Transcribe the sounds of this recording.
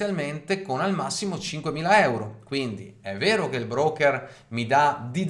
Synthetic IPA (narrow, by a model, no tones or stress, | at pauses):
jalment̪ekonalmasːimot͡ʃiŋkwemiːlaɛwɾokwind̪iɛvːeːɾokeilbɾɔːkːɛr | mid̪ad̪id̪